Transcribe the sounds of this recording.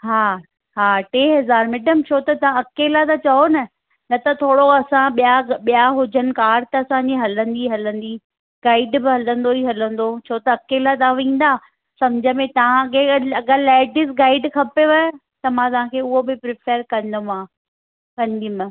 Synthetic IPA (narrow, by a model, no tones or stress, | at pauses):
ɦaː | ɦaːʈeːɦɐzaːɾmɪɖəmt͡ɕʰoːt̪ɐt̪ɐʋãɐkelat̪ɐt͡ɕɐɦonɐ | nɐt̪ɐt̪ʰoːɽoɐsãɓijaɓijaɦʊd͡ʑʱənɪ̆kaːɾt̪ɐɐsãɲd͡ʑiɦɐlə̃nd̪iɦɐlə̃nd̪i | ɡaːɪɖbɪɦɐlə̃nd̪oiɦɐlə̃n̆d̪ot͡ɕʰoːt̪ɐːkeːlat̪̬aãʋĩːn̆d̪aː | sɐmd͡ʑʱəmẽt̪ɐʋ̤ãɐɡeɐɡalaːɖɪzɡaːɪɖkʰɐpeʋɐj | t̪ɐmãːt̪ɐʋãːkʰeːʊɦobɪpɾɪpʰəɾkɐ̃nd̪omãː | kɐnd̪imə̃